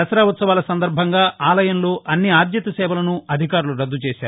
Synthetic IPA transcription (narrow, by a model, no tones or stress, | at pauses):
ɐsɐɾaːʋɐt̪sɐʋaːlɐsɐnd̪ɐɾbʱɐŋɡaːʔaːlɐjɐnlo̞ːʔɐnːiaːd̪jɐt̪ɐsɛːʋɐlɐnuɐd̪ʱikaːɾuluɾɐd̪ːut͡ʃeːʃaːɾu